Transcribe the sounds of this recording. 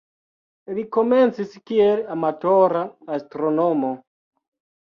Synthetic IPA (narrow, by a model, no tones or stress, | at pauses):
liko̞me̞nt͡siskielamatoɾaːstɾonomo